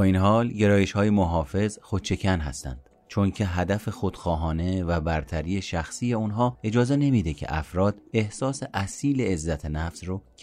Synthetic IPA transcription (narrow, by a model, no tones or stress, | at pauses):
bɒːinɦɒːlɟe̞ɾɒːjeʃhɒːjemoɦɒːfe̞zxod̪̥t͡ʃʰe̞cʰænɦæ̰st̪æ̰nd̪̥ | t͡ʃʰoncʰe̞ɦæd̪æfe̞xod̪̥xɒːɦɒːne̞væbæɾt̪ʰæɾiːe̞ʃæxsije̞unɦɒːe̞d͡ʒɒːze̞ne̞mid̪e̞cʰe̞̰ʔæ̰fɾɒːd̪̥e̞hsɒːseʔæsiːle̞ːzːæt̪ʰenæfz̥ro